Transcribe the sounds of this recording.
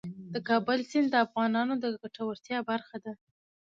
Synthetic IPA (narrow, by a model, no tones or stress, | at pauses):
d̪̥əkɑbəlsɪnd̪əafɣɑnɑnod̪əɡaʈawəɾt̪jɑbaɾxad̪a